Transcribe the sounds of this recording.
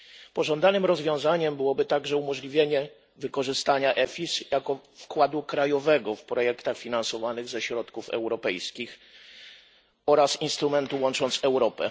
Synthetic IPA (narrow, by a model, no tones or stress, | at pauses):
pɔʐɔnd̪anɘmɾɔzvʲjɔ̃w̃zaɲɛmbɘwɔbɘt̪aɡʐɛumɔʐlʲivʲjeɲɛ | vɘkɔʐɘst̪aɲaʔɛfʲisjakɔfkwad̪ukɾajɔvɛɡɔfpɾɔjɛkt̪axfʲinansɔvanɘɣzɛɕɾɔt̪kufɛ̰wɾɔpɛjskʲix | ɔɾasinst̪ɾumɛnt̪uwɔnt͡ʂɔnt̪sɛwɾɔpɛ̰